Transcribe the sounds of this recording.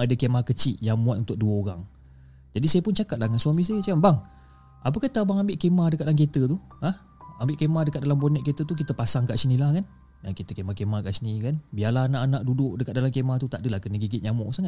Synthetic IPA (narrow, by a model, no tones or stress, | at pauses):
adəkemahkət͡ʃiʔjaŋmuat̪unt̪ʊk̚duəoɾaŋ | d͡ʒadisajəpʊnt͡ʃakat̪̚lahŋansuamĩs̬ajəsambaŋ | ap̬əkaht̪abaŋambɪʔkemahdəkat̪̚lank̬et̪ət̪u | ah | ambɪʔkemahdəkat̚dalambonɛʔket̪ət̪uk̬it̪əpasaŋkaʔsənilahkan | aŋkit̪əkemahkemahkaʔsənikanbialaɦanaʔanaʔdudʊʔdəkat̪̚dalamkemaht̪ut̪aʔdəlahkənəɡiɡɪt̪̚ɲamɔʔsaŋat̪̚